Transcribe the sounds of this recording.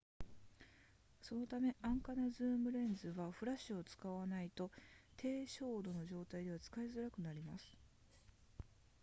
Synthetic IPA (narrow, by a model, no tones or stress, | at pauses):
so̞no̞t̪ame̞ʔãŋkanazɨːmɯ̟ɾẽ̞nd͡zɨβaɸɯ̟ɾaɕɨo̞t͡sɨ̥kaβanait̪o̞t̪ʰe̞ːɕo̞ːd̪o̞no̞ʑo̞ːt̪aid̪e̞β̞at͡sɨ̥kaizɨɾakɯ̟naɾʲimasɨ̥